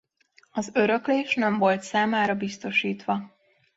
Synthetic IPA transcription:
ɒzø̞ɾøkleːʃnɛɱvo̞lt̪saːmaːɾɒbist̪o̞ʃiːt̪ʋɒ

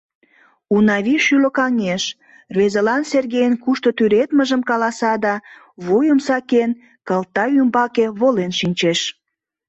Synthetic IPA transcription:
unɑβiʃyləkɑŋeʃ | rβezəlɑnserɣejənkuʃt̪ot̪yɾet̪məʒəmkɑlɑsɑd̪ɑ | βujəmsɑken | kəlt̪ɑymbɑkeβolenʃinʲt͡ɕeʃ

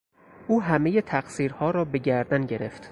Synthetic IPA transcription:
ʔuːɦæme̞jet̪ʰæɢsiːɾhɒːɾɒːbe̞ɟæɾd̪ænɟe̞ɾe̞̰ft̪

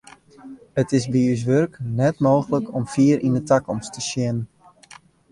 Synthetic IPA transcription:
ətɪsbiys̬ʋørknɛtmoːɣələkʰɔmfiəɾindətakɔmstəʃjɪnən

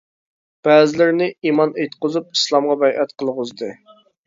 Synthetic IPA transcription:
b̥ɛːzɪlɪɾnɪimɑnet̪qʊzup̚i̥slˠɑmʁɑbɛjʔɛt̪qʰəlˠʁʊzd̪ɨ

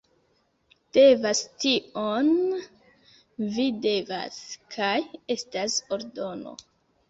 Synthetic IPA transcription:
d̥e̞vastion | vide̞va̰skʰaje̞staso̞ɾdo̞no̞̰

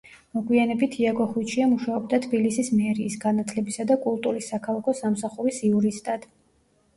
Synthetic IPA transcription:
mɔɡʼwianɛbit̪ʰiaɡɔχwit͡ʃʰiamuʃaɔb̚d̪at̪ʰbilisismɛɾiːsɡanat̪ʰlɛbisad̪akʼulˠt̪ʼuɾisːakʰalˠakʰɔsamsaχuɾisiuɾist̪ʼad̪̥

